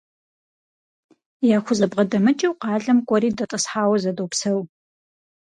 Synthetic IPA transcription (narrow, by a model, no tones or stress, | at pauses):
jaːxʷʊzɐbʁɐdɐmɨt͡ʃʼiwqɑːɮɐmkʷʼɔɾiːdɐtʼɐsħaːwɐzɐdowpsɐw